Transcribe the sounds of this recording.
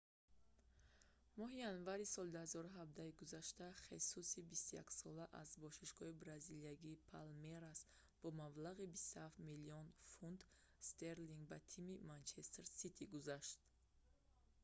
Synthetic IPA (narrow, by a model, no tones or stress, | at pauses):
mɔɦijanvaɾisɔld̪uhazɔɾuɦab̚d̪aiɡuzaʃt̪aχesusibist̪uja̰ksɔlaʔazbɔʃiʃɡɔhibɾaziliaɡiːpʰalmeɾas | b̥ɔmablaʁibist̪uhaft̪miliɔnfund̪ | st̪ʰeɾliŋɡbat̪ʰimimant͡ʃʰest̪ɾsit̪ʰiɡuzaʃt̪